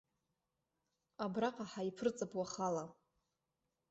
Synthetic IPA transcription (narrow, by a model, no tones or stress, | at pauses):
abraqʼaħaipʰrɨt͡sʼapʰʼwaχala